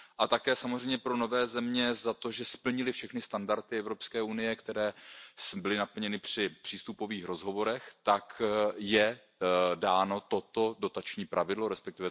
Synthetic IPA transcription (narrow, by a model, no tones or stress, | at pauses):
ʔat̪akɛːsamozrɛjmɲɛpɾo̞no̞vɛːzɛmɲɛzat̪o̞ʒɛspl̩ɲɪlɪfʃɛxnɪst̪andaɾt̪ɪɛvɾo̞pskɛːʔunɪjɛkt̪ɛɾɛːsbɪlɪnapl̩ɲɛnɪpr̝̥ɪpr̥iːst̪upo̞viːxɾo̞zɦo̞vo̞ɾɛxt̪akjɛ | daːno̞t̪o̞t̪o̞do̞t̪at͡ʃɲiːpɾʔavɪdlo̞ɾɛspɛk̚t̪ɪvɛ